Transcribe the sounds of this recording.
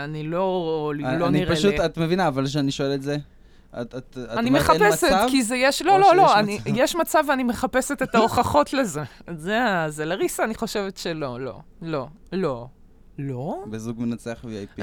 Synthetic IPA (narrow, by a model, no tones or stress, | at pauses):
anilo̞lloniʁpaeʃuat̪mevinaːvalʃ̬eaniʃoeletze | a̰tat̪aanimeχapesetvkizejeʃlo̞lo̞lo̞anijeʃmat͡saveanimeχape̞set̪et̪aoχaχo̞tleze̞zeazelaʁisaːniχo̞ʃe̞vetʃelo̞lo̞̰ | lo̞ | lo̞ | lobezuɡmenat͡seaχviaji